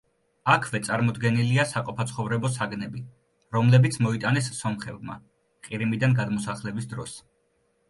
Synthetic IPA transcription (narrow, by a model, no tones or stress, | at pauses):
akʰvɛt̪sʼaɾmɔd̪ɡɛniliasaqʼɔpʰat̪sʰχɔvɾɛbɔsaɡnɛbi | ɾɔmlɛbit̪sʰmɔit̪ʼanɛsːɔmχɛbma̰ | qʼiɾimid̪anɡad̪mɔsaχlɛbisd̪ɾɔs